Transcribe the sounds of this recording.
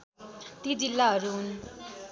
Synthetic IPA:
t̪id͡zilːaɦʌɾuɦun

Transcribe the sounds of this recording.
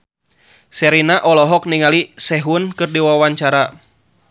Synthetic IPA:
sɛɾinaʔɔlɔɦɔk̚niŋalisɛɦunkɨrdiwawaɲt͡ʃaɾa

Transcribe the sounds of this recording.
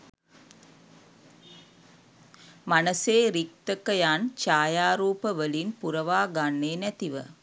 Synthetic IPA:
mɐnɐseːɾik̚t̪ɐkːɐjaːnt͡ʃaːjaːɾuːpɐʋəlinpuɾɐʋaːɡɐɳːeːnɛt̪iʋɐ̰

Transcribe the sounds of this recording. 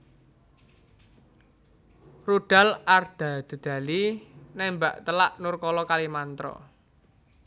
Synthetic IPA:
ruɖ̥a̤lard̪̥a̤d̪̥ə̤d̪̥a̤linɛmba̰ʔt̪əlaʔnʊrkɔlɔkalimant̪ɾɔ̰

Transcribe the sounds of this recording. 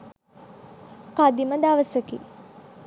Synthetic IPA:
kad̪iməd̪aʋəsəkḭ

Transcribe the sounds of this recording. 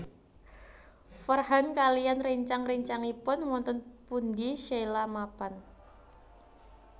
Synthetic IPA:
fərɦankalijanriɲt͡ʃaŋriɲt͡ʃaŋipʊnwɔnt̪ɔnpund̪iʃelamapan

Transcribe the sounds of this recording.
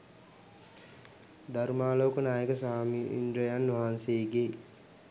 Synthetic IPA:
d̪aɾumaːloːkənaːjəkəsaːmiʔḭndɾəjanːʋaɦanseːɡe

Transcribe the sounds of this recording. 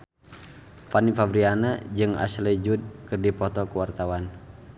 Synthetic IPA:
panifabɾianad͡ʒɨŋa̰slɛd͡ʒud̚kɨrdipɔt̪ɔkuwart̪awan

